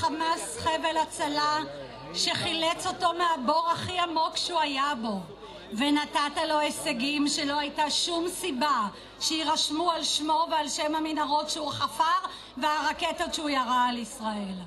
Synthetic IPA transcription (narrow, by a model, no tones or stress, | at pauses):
χamasχevelat͡sala | ʃe̞χilet͡so̞to̞meaboʁaχiamo̞kʃuajabo̞ | venatatalo̞eseɡimʃelo̞ajtaʃumsiba | ʃeiʁaʃmualʃmo̞vealʃemhaminaʁo̞tʃeuχafaʁ | veaʁaketotʃeujaʁaːlisʁae̞l